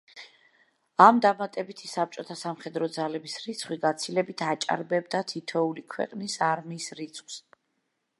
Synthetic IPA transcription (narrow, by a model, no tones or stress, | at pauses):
amd̪amat̪ʼɛbit̪ʰisap̚t͡ʃʼɔt̪ʰasamχɛd̪ɾɔd̪zalɛbisɾit̪sʰχwiɡat̪sʰilɛbit̪ʰat͡ʃʼa̰ɾbɛbd̪at̪ʰit̪ʰɔulikʰwɛ̰qʼnisaɾmiːsɾit̪sʰχws